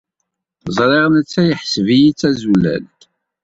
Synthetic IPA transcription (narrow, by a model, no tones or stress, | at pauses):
zˤɾˤeʁnət͡sːæjəħsəvijit͡sːæzulæ̰l